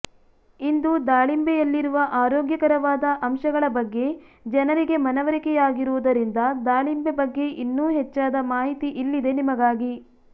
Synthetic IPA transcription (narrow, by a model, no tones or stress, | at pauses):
ind̪ud̪aːɭimbejɐlːiɾuʋɐʔaːɾoːɡjɐkɐɾɐʋaːd̪ɐʔɐmʃɐɡɐɭɐbɐɡːe̞d͡ʒɐnɐɾiɡe̞mɐnɐʋɐɾikɛjaːɡiɾuʋud̪ɐɾind̪ɐd̪aːɭimbebɐɡːe̞ʔinːuːɦɛt͡ʃːaːd̪ɐmaːɦit̪iʔilːid̪e̞nimɐɡaːɡi